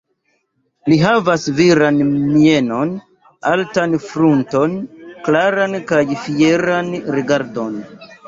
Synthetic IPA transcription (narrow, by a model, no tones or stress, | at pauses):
liɦavasviɾanmieno̞n | a̰ltanfɾunto̞nklaɾankajfie̞ɾanɾiɡaɾdo̞n